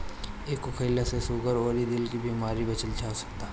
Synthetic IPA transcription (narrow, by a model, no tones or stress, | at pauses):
eːkʊkʰeːlasesʊɡəɾoːɾid̪ɪlkibiːmaːɾibɐt͡ʃəld͡ʒʰaːsɐ̥kt̪aː